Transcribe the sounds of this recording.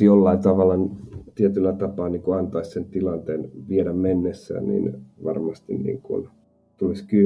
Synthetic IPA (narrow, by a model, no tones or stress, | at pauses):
jolːɑint̪ɑʋɑlːˑɑnt̪iet̪ylːæt̪ɑpɑːniːŋkoɑnt̪ɑissent̪ilɑnt̪eːnʋieɾæmmenːesːæ̰ːnnḭːnʋɑrmɑst̪ḭnnḭːŋkṵn | t̪uliskyː